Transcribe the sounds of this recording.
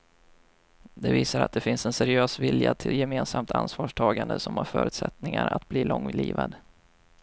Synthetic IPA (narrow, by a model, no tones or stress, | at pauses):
d̪ɛviːsaɾat̪̚d̪ɛfɪnsɛnsɛɾɪøːsvɪljat̪ʰɪljɛmeːnsamt̪ʰansvɑːʂʈʰɑːɡand̪əsɔmhaɾfœ̰ːɾɵ̟ːt̪sɛt̪nɪŋaɾat̪̚bliːlɔŋːliːvad̪